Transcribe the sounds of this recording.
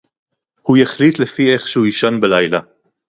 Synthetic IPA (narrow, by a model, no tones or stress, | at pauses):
hujaχlit̪lefieχʃehujiʃanbelajla